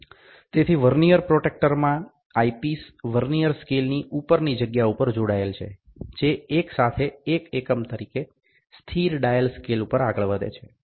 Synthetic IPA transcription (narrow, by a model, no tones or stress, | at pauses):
t̪et̪ʰiʋəɾnijəɾpɾoʈek̚ʈəɾmã | aipisʋəɾnijəɾskelniʔupəɾnid͡ʒəɡjaupəɾd͡ʒoɽaelt͡ʃʰḛ | d͡ʒeːksat̪ʰeekekəmt̪əɾike | st̪ʰiɾɖajəlskelupəɾaɡəɭʋəd̪ḛt͡ʃʰe